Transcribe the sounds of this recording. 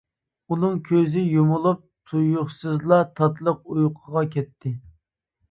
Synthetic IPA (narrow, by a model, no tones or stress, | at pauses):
unɨŋkʲʰøzɪjomʊlˠup̚t̪ʰujʊχsɨzlˠɑt̪ʰɑt̪lˠəq̚ujqʰəʁɑkʲʰɛt̪ʰːɪ